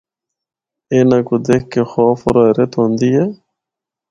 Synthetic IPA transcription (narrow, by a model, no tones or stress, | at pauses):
eːnakud̪ekkːexɔːfoɾɔːɾet̪õːnd̪ije